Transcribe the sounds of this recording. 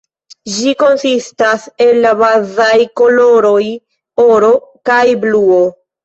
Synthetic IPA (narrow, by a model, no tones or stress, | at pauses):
d͡ʒiko̞nsistase̞lːabazajko̞lo̞ɾo̞j | o̞ɾo̞kajbluo̞